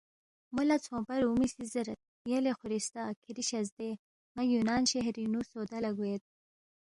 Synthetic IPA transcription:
mulat͡sʰõːpɐɾumisizəɾat̪̚ | jelexʊɾist̪akʰiɾiɕazd̪e | majunɑːnɕeɦɾinusoːd̪alaɡuet̪̚

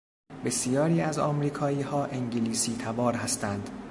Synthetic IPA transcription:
be̞sijɒːɾiːæzɒ̰ːmɾiːkʰɒːiːhɒːʔeŋɟeliːsiːt̪ʰæbɒːɾɦæst̪ænd̪̥

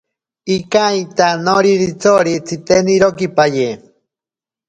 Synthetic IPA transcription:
ikajt̪anoɾiɾit͡soɾit͡sʰit̪eniɾokipaje

